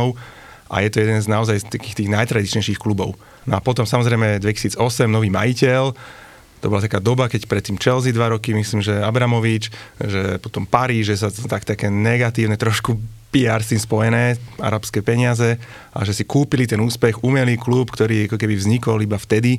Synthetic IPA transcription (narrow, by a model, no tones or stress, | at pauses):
ʊ | ʔa̰jɛt̪ɔjɛd̪ɛnznaɔzajst̪akiːxt̪iːɣnajt̪ɾad̪it͡ʃɲɛjʃixklubɔʊ | nɔapɔt̪ɔmsamɔzɾɛɪmɛd̪ʋɛci̥siːd͡zɔsɛmnɔʋiːmajicɛl | t̪ɔbɔlat̪akaːd̪ɔbakɛcpɾɛt̪ːiːmt͡ʃɛlzid̪ʋaɾɔkimisliːmʒɛabɾamɔʋit͡ʃʒɛpɔt̪ɔmpaɾiːʒɛs̬at̪akt̪akɛːnɛɡat̪iːʊnɛt̪ɾɔʃkupiaɾskiːmspɔjɛnɛːa̰ɾapskɛːpɛɲɪazɛ | ʔa̰ʒɛsikuːpilit̪ɛnuːspɛxumɛliːklupkt̪ɔɾiːakɔkɛbivzɲikɔlibaft̪ɛd̪i